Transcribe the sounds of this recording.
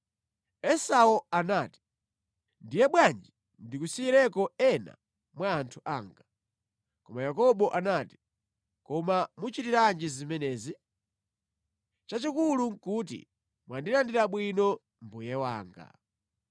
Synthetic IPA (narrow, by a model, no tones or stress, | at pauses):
ɛsaɔanaːti̥ | ndijɛɓwand͡ʒi | ndikusiɾɛkɔɛna̰ | mwaːntʰuʔaːŋɡa | kɔmajakɔɓɔʔanati̥ | kɔmamut͡ʃitiɾand͡ʒizimɛnɛːzi | t͡ʃat͡ʃikuluŋkutḭ | mwandilandiɾaɓwinɔ | mbujɛwa̰ːŋɡa̰